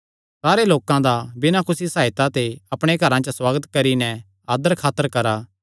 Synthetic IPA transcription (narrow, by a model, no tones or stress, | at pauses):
saːɾeloːkãd̪abɪnãkʊsisaːɪt̪at̪eɐpɽ̃eɡʱɐɾãt͡ʃɐswaːɡət̪kɐɾinɛ | aːd̪əɾkʰaːt̪ːəɾkɐɾaː